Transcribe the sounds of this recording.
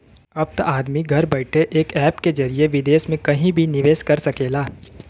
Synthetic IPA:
ɐb̚t̪aʔaːd̪miɡʱɐɾbɐɪʈʰeʔeːkɛːpked͡ʒɐɾieʋɪd̪eːsmẽkɐɦĩbʱinɪʋeːskɐɾsɐkeːlaː

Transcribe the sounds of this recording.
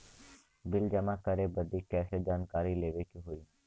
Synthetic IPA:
bɪld͡ʒəmãːkəɾeːbəd̪iːkɛːsed͡ʒaːnkaːɾiːleːʋeːkiɦoːiː

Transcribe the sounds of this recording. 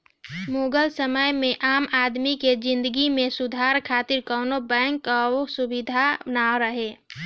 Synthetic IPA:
moːɡəlsəməjmẽʔaːmaːd̪miked͡ʒɪ̃nd̪əɡimẽsud̪ʱaɾkʰaːt̪iɾkɔnobɛ̃ːŋkːaosubid̪ʱanaoɾəɦe

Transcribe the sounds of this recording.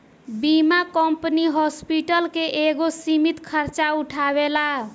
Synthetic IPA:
bimakəmpəniɦɔspiʈəlkeʔeɡosimit̪kʰəɾt͡ʃauʈʰabela

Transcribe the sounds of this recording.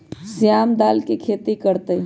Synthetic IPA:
sijamd̪aːlkekʰet̪ikəɾt̪əj

